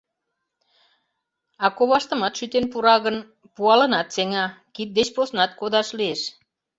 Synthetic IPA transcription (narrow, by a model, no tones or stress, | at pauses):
ɑkoβɑʃt̪ə̆mɑt̪ʃyt̪enpuɾɑɣən | puɑlə̆nɑt̪seŋɑkit̪̚d̪et͡ɕposnɑt̪kod̪ɑʃlieʃ